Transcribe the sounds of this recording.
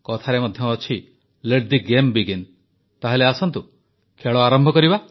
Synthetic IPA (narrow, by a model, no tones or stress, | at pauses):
kɔt̪ʰaɾemɔd̪ʱjɔːt͡ʃʰi | leɾd̪iɡembiɡen | t̪aɦeleasɔnt̪u | kʰeɭɔaɾɔmbʱɔkɔɾiba